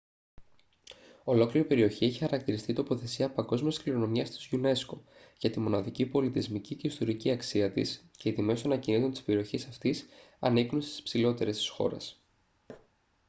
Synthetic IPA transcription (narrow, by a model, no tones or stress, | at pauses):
o̞lo̞kliɾipe̞ɾio̞çieçixɐɾɐk̚t̪iɾist̪it̪o̞po̞θe̞siɐpɐŋɡo̞zmiskliɾo̞no̞miɐst̪izʝune̞sko̞ʝɐt̪imo̞nɐðicipo̞lit̪izmicice̞ist̪o̞ɾiciɐksiɐt̪ḭsce̞ːt̪ime̞soɐnɐcinit̪o̞nt̪i̥spe̞ɾio̞çisɐft̪isɐniknunst̪i̥spsilo̞t̪e̞ɾe̞st̪i̥sxo̞̰ɾe̞̰s